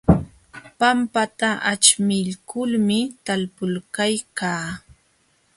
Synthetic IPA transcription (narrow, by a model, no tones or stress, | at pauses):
pampat̪aʔat͡ʃmɪʎkʊlmɪt̪alpʊlkajkaː